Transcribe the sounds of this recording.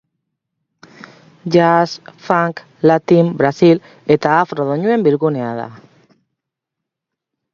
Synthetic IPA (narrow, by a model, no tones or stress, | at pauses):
ʝasfaŋk | lat̪imbɾasil | e̞t̪aːfroð̞oɲue̞mbiɾɣuneaða̰